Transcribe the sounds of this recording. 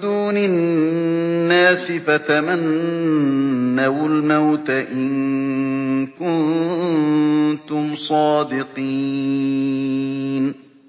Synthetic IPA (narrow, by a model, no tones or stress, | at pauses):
d̪uːnɪ | nːaːsɪfat̪aman | awalmawt̪aʔɪn | kʊn | t̪ʊmsˤɑːd̪ɪqi | n